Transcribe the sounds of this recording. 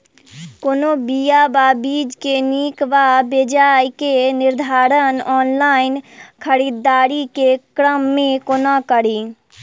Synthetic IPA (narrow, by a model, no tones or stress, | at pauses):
koːnobijababiːd͡ʒkeniːkʋabed͡ʒaːjkenɪɾd̪ʱaːɾənɔːnlaːɪnkʰəɾiːd̪ːaːɾikekɾəmːẽkonakəɾiː